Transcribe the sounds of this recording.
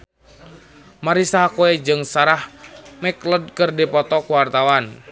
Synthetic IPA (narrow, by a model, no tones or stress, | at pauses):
maɾisaɦakuɛd͡ʒɨŋsaɾahmɛkləd̚kɨrdipɔt̪ɔkuwart̪awan